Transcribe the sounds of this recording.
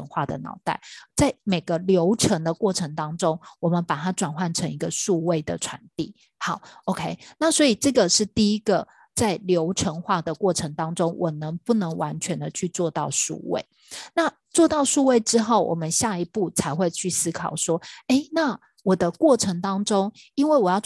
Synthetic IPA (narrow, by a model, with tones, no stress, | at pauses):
ə˥ŋxwa˥˩d̪ə̰˩nɑ̰˨˧˥ʊt̪a̰˥˩ɪt͡sa˥˩ɪme˨˩ɪɡə˦ljo˧˥ʊʈ͡ʂʰə˧˥ŋd̪ə˨kwɔ˥˩ʈ͡ʂʰə˧˥ŋt̪ɑ˥ŋʈ͡ʂo˦˥ŋwɔ˨˩mə˨˦npa˨˩t̪ʰa˥ʈ͡ʂwa˨˩nxwa˥˩nʈ͡ʂʰə˧˥ŋi˧˥ɡə˧ʂu˥˧we˥˩ɪd̪ə̰˩ʈ͡ʂʰwa˧˥nt̪ḭ˥˩ | xɑ˧˦ʊo˧˥ʊkʰe˥ɪna˥˩swɔ˧˥i˨˩ʈ͡ʂɤ˥˩ɡə˨ʂɻ̩˥˧t̪i˥˧i˦˥ɡə˨ | t͡sa˥˩ɪljo˧˥ʊʈ͡ʂʰə˧˥ŋxwa˥˩d̪ə˩kwɔ˥˩ʈ͡ʂʰə˧˥ŋt̪ɑ˥ŋʈ͡ʂo˥ŋwʔɔ˨˩nə˧˦ŋpu˥˩nə˧˦ŋwa˧˦nt͡ɕʰɥɛ˧˦nd̪ə˨t͡ɕʰy˥˧t͡swɔ˥˧t̪ɑ˥˧ʊʂṵ˥˧wḛ˥˨˩ɪ | na˥˨ | t͡swɔ˥˧t̪ɑ˥˩ʊʂu˥˧we˥˩ɪʈ͡ʂɻ̩˥xo˥˩ʊwʔɔ̰˨˩mə˦nɕja˥˩i˧˥pu˥˩t͡sʰa˧˥ɪxwe˥˧ɪt͡ɕʰy˥˩sɹ̩˥kʰɑ˨˩ʊʂwɔ˥e˥˩ɪna˥˩ | wɔ˨˩d̪ə˦kwɔ˥˩ʈ͡ʂʰə˧˥ŋt̪ɑ˥ŋʈ͡ʂo˥ŋ | i˥nwe˥˩ɪwɔ˨˩jɑ˥˧ʊ